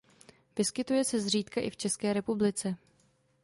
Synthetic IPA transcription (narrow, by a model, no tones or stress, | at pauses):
vɪskɪt̪ujɛsɛzr̝iːt̪kaʔɪft͡ʃɛskɛːɾɛpublɪt͡sɛ